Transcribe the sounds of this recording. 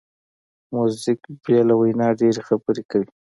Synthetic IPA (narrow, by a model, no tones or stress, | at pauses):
muzɪkbjɑlawajnɑɖeɾexabəɾekawi